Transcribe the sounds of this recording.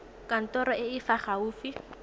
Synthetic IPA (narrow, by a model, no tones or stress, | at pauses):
kan̩tɔɾɔɪɪfaχauːfi